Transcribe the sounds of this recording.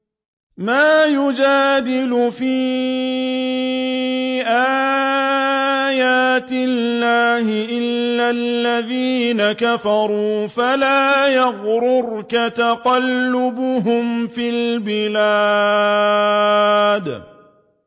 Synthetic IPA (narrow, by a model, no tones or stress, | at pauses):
maːjʊd͡ʒaːd̪ɪlʊfiː | ʔaː | jaːt̪ɪlːaːhɪʔɪlːalːaðiːnakafɑɾˤuːfalaːjaɣɾʊɾkat̪aqɑlːʊbʊɦʊmfilbɪla | d̪